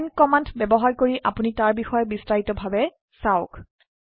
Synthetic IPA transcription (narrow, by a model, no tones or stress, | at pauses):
nkɔmantbɛbɔɦaɹkoɹiʔa̰punitaɹbixɔjɔbistaɦitɔbʱabɛ | saʊk